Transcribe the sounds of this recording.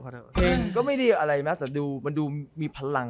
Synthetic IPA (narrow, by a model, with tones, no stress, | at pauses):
pʰeː˧ŋkɔː˥˩ma˥˩jdiː˧ʔa˧ɾa˧jma˦˥t̪ɛː˨˩˦duː˧ma˧nduː˧miː˧pʰa˧la˧ŋ